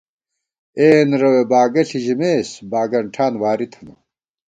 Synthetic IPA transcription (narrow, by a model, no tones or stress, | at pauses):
eːnɾɐwebaːɡɐɬʰiʑimeːsbaːɡɐɳʈʰaːnwaːɾit̪ʰɐnɐ